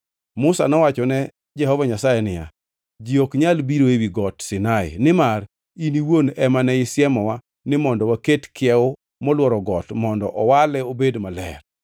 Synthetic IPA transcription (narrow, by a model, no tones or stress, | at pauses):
mʊsa̰nɔwat͡ʃɔnɛ | d͡ʒɛhɔvaɲasajɛnɪja̰ | d͡ʒiokɲalbiɾoewiɡɔtsɪnaɪ̰nɪmar | iniwonɛmanɛɪsjɛmɔwa | nɪmɔndɔwaketkɪɛʊ | mɔlwɔɾɔɡɔtmɔndɔ̰ʔɔwalɛobedmalɛ̰r